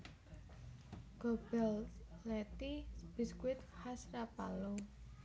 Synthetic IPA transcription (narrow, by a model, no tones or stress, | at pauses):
ɡ̥obɛllɛt̪ib̥i̤skwɪt̪hasrapalo